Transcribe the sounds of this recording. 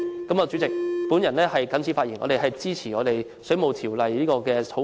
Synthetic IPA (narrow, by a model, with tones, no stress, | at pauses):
kɐ˨˧mɔ˨˧wt͡ʃy˨˥t͡sɪ˨k̚pu˨˥njɐ˨˩nlɛː˥hɐ˨jkɐ˨˥nt͡sʰi˨˥faː˧t̚i˨˩nŋɔ̰˨˧ɾe˨˩ɦɐ˨jt͡siː˥t͡sʰiː˨˩ŋɔː˨˧ɾe˨j | sɵ˨˥ɥmo˨wt̪ʰiː˨˩wlɐ˨jliː˥kɔː˧kɛː˧tʰo˨˥